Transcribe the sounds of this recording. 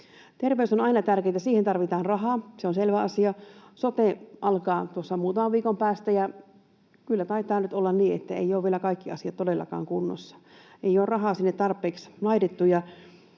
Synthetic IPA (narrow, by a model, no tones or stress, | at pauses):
t̪erʋeysonɑinɑt̪ærkeːt̪æsiːhent̪ɑrʋit̪ɑːnrɑɦɑːseonselʋæɑsiɑsot̪eʔɑlkɑːt̪uosːɑmuːt̪ɑmɑʋʋiːkompæːst̪æjɑ | kylːæt̪ɑit̪ˑɑːnyt̪olːɑnniːḛt̪ːæḛjoːʋielækɑikːiɑsiɑt̪t̪odelːɑ̰kɑ̰ːŋkunːo̰sːɑ̥ | ʔeijoːrrɑɦɑːsinːet̪t̪ɑrpːˑeːkslɑitet̪ːujɑ